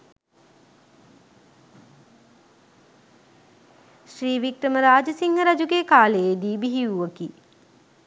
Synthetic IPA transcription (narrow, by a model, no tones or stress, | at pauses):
ʃɾiːʋikɾəməɾaːd͡ʒəsiŋhəɾad͡ʒuɡekaːlejed̪iːbiɦiuʋəki